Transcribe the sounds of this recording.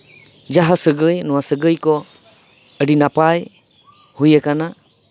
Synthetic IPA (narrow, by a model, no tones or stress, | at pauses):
d͡ʒaɦasəɡəjnɔwasəɡəjkɔ | əɖinapaj | hujəkana